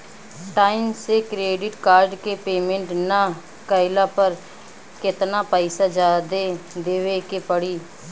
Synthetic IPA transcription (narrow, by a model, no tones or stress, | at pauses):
ʈaːɪmsekɾeːɖɪʈkaːɾɖkepeːmẽɳʈna | kəɪlaːpəɾ | kɪt̪naːpəɪsad͡ʒaːd̪ed̪eːʋekepəɽiː